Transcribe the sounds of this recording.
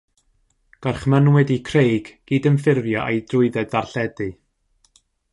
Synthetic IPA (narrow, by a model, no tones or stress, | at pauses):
ɡ̥arχmənwɪdikʰrejɡɡ̥iːdənfɪrvjɔʔejdrʊɨðɛdarɬɛdɨ